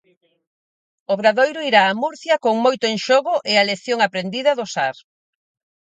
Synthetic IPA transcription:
ʊβɾaðojɾʊiɾaːmuɾθjɐkoŋmojt̪ʊẽŋʃoɣʊʔɪaleθjoŋapɾend̪iðɐðʊsaɾ

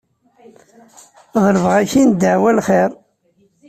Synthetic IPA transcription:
ðˤəɾəvʁæçind̪əʕwælχeɾˤ

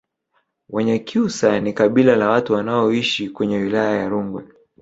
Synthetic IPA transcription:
waɲakʰiusanikaɓilalawatuwanaɔiʃikwɛɲɛwilajajaɾuŋɡwɛ̰

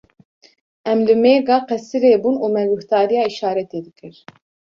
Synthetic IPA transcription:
ʔɛmlɨmeːɡɑːqɛsɨɾeːbuːnuːmɛɡuht̪ɑːɾijɑːiʃɑːɾɛt̪eːd̪ɨkʰɨɾ

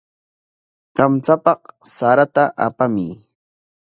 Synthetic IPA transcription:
kamt͡sapɑqsaɾat̪aʔapamɪ

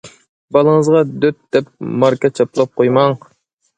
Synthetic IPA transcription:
bɑlˠəŋəzʁɑd̪øt̪̚d̪̥ɛp̚mɑɾkɑt͡ʃʰɑplˠɑp̚qʰojmɑŋ

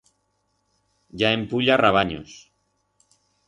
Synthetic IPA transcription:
ʝaempuʎaraβ̞aɲo̰s

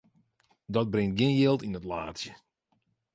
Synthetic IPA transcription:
dɔt̚brɪŋt̚ɡɪnjɪlˠtinətla̰ːtsjə

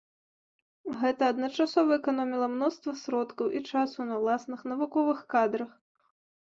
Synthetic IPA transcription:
ɣɛt̪ɐːd̪nɐt͡ʂasɔvɐɛkanɔmʲilˠɐmnɔst̪vɐsɾɔt̪kɐwʔit͡ʂasunɐwlˠasnɨxnɐvukɔvɨxkad̪ɾɐx

